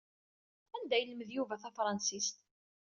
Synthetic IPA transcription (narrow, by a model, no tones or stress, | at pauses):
ænd̪æjəlməðjuvæθæfɾˤɑnsist̪